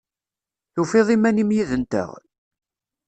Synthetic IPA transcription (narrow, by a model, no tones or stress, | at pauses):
jufeðˤimænimjiðənt̪ə̰ʁ